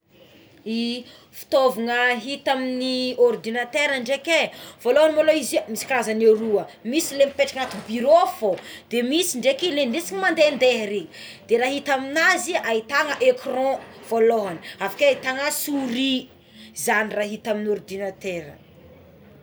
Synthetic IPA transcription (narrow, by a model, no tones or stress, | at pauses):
i | fi̥t̪ovaŋəɦit̪aminiɔrd̪inat̪eɾəɳɖ͡ʐekevoloɦanimoloizimisi̥kɾazaneɾuəmisilemipeʈ͡ʂakat̪ubiɾofod̪emisiɳɖ͡ʐekilenresiɲimand̪end̪eɦɾed̪̥eɾaɦit̪aminaziait̪aŋəʔekrɔ̃v̥oloɦaniafakeait̪aŋəsuɾi | zaniraɦit̪aminɔrd̪inat̪eɾə